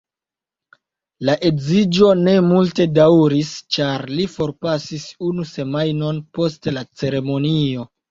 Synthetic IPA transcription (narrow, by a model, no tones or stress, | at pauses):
laʔe̞kzid͡ʒo̞ne̞multe̞dawɾist͡ʃaɾlifo̞ɾpasisunuse̞majno̞npo̞stlat͡se̞ɾe̞mo̞nio̞